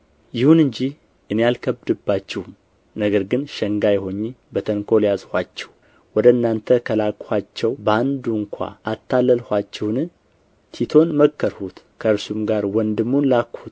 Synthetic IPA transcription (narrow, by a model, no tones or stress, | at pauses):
jɪhunɨɲd͡ʒi | ʔɨnejalkʰəbd̪ɨbːat͡ʃːɛhum | nəɡəɾɡɨnʃəŋɡajɛɦo̞ɲːibət̪ʰəŋkʰo̞ljazhʷat͡ʃːɛ̥w | wɔd̪əɨnːant̪ʰəkʰəlakʼhat͡ʃːɛwbəand̪uŋkʷʰa̰at̪ʰːalːəlhʷat͡ʃːɛwnɨ | t̪ʰit̪ʰo̞nməkʰːəɾhut̪ | kʰəɨɾsumɡaɾwɔnd̪ɨmːunlakhut̪